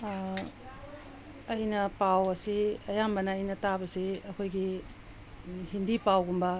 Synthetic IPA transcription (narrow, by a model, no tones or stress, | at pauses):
ɐjnɐpawɐsiɐjambɐnɐːjnɐtabɐsiɐkʰojɡi | hindipawɡumbɐ